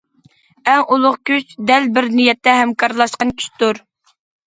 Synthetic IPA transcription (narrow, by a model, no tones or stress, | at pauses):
ɛŋʔulˠʊχkʲyt͡ʃd̪ɛlbɪɾnijɛt̪ːɛɦɛmkʰɑɾlˠɑʃqɑnkʲʰy̥ʃt̪uɾ